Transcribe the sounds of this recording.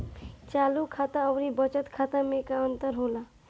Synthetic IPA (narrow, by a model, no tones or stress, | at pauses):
t͡ʃaːlukʰaːt̪aɔʋɾibət͡ʃət̪kʰaːt̪amẽkaənt̪əɾɦoːlaː